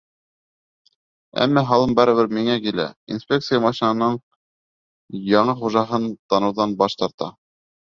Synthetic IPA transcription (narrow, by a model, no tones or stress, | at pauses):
æ̰mːæɦɑlˠɤmbæɾɘ̆βɘɾmiŋækilæ̰ḭnspʲek̚t̪sɨjamɑʃinɑnɤɴ | jɑɴɤχuʒɑɦɤnt̪ɑnɤ̆wðɑnbɑʃt̪ɑɾt̪ɑ̰